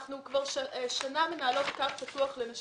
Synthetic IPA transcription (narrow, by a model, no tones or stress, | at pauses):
χnukvaʁʃʃanamenaːlo̞t̪kaχpatuaχlenaʃ